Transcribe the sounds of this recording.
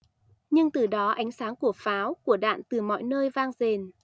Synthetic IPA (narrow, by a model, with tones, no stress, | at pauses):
ɲɨ˧ŋt̪ɨ˨˩ɗɔ˨˦ʔa˨˦jŋ̟saː˨˦ŋku˧˩əfaː˨˦wku˧˩əɗa̰ː˧˨nt̪ɨ˨˩mɔ̰˧˨jnəː˧jvaː˧ŋze˨˩n